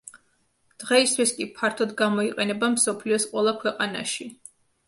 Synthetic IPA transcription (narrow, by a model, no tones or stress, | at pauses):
d̪̥ʁɛist̪ʰwiskʼipʰaɾt̪ʰɔd̪ɡamɔiqʼɛnɛbamsɔpʰliɔsqʼwɛlˠakʰwɛqʼana̰ʃi